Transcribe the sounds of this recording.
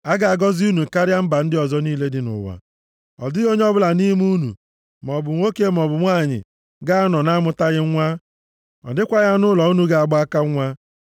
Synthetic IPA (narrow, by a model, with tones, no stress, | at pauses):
a˦ɡa˨a˨ɡɔ˦zi˦u˦nu˨ka˦ɾja˦m̩˦ba˨n̩˦dɪ˦ɔ˨zɔ˦niː˦le˦dɪ˨nʊ̰˨wa̰˨ | ɔ̰˨dɪ˦ɣo˦ɲ˦ɔ˦bʊ˦la˨ni˦mu˦nṵ˨ | m˨ɔ˨bʊ˨ŋʷo˦ke˦m˨ɔ˨bʊ˨ŋʷa˦˨ɲɪ̰˨ | ɡa˦a˦nɔ˨na˦mʊ˦ta˦ɣɪ˦ŋʷa˦ | ɔ̰˨dɪ˦kʷa˦ɣa˦nʊ˦lɔ˨u˦nu˨ɡa˨a˨ɡ͡ba˦ka˦a˦